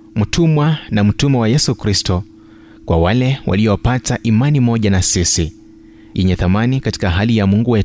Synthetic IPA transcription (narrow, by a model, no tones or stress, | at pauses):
m̩tʰumwanam̩tumɛwajɛsukɾistɔ | kwa̰walɛwʔa̰liɔwapataʔimanimɔʄanasisi | jʔɛɲɛθamanikati̥kaɦalijamuŋɡuwɛ